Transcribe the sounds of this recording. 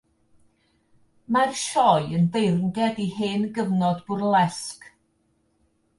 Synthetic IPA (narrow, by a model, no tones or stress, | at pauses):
marʃɔɨənvejrnɡɛdiheːnɡəvnɔdb̥ʊrlˠɛsk